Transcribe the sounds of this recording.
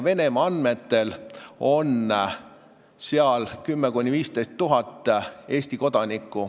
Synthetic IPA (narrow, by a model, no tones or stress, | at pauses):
ve̞ne̞mɑɑnd̪me̞t̪ːe̞lo̞n | seɑlkymːekunʲːiviːst̪e̞jst̪ːuɦɑt̪ːˑe̞ːsʲt̪iko̞d̪̥ɑnʲikːˑu